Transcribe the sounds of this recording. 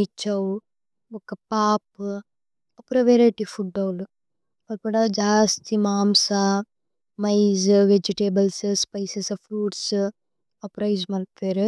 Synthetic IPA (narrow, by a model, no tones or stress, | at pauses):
it͡ʃːɐw | ɔkːɐpaːp | ɐpːɾɐʋeɾeʈifʰuɖːɐːl | mɐlpɐɽɐd͡ʒaːst̪ʰimaːmsa | mɐjzʋed͡ʒiʈeːbɐlsspɐjsesɐfʰɾuːʈs | ɐpɾɐjzmɐlpeːɾ